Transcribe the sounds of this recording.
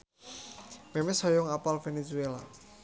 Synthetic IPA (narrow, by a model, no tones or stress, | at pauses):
memɛsɔjɔŋapalfenesuela̰